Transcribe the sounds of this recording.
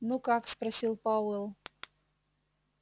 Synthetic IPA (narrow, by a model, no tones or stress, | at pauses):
nukakspɾɐsʲilˠpawɛlˠ